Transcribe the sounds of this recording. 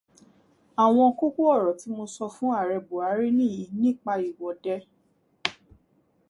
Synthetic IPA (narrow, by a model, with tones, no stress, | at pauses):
a˨w̃ɔ̃˧˦ku˦ko˦ɔ˦˨ɾɔ˨ti˨˦mo˧sɔ˧fũ˦a˦˨ɾɛ˧bo˨a˨˦ɾi˦nĩ˦˨jĩ˧nĩ˦˨k͡pa˧i˨wɔ˨dɛ˦